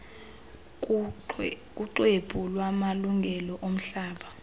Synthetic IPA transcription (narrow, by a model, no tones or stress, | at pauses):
k̬ʼuǃwebʼʱulwamaluŋɡʱɛlɔʔom̩ɬaːɓa